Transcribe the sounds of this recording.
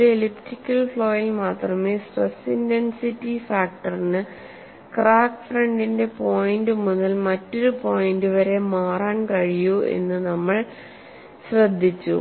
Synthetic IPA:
eeliptikʲːɐlfɭo̞ːjilmaːt̪rɐme̞ːsrɐsindensitːifaːk̚ʈɐrnɨ | kraːkfrɐɳɖinde̞po̞ːjndɨmuðɐlmɐtːo̞ɾupo̞ːjinduʋɐɾe̞maːraːnkɐɻijue̞̰nːɨnɐmːɐɭ | ɕrɐd̪ʱːit͡ɕːṵ

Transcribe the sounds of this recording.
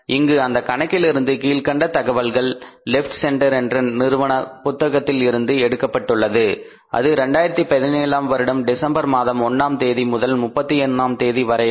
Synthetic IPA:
ɪŋɡɯɐnd̪ɐkɐɳɐkːɪlɪɾɯnd̪ɯkiːlkɐɳɖɐt̪ɐɣɐʋɐlɣɐɭːɪfʈsɛɳʈɐɾɛndrɪnnɪɾɯʋɐɳɐpʊt̪ːɐɣɐt̪ːɪlɪɾɯnd̪ɯɛɽɯkːɐpːɐʈːɯɭːɐðɯ | ʔɐ̰ðɯɾɛɳɖaːjɪɾɐt̪ːipɐðɪneːlaːmʋɐɾɪɽɐmɖɪsɐmbɐɾmaːðɐmɔnːaːmt̪eːðimʊðɐlmʊpːɐt̪ːiɛnːaːmt̪eːðiʋɐɾɐɪ

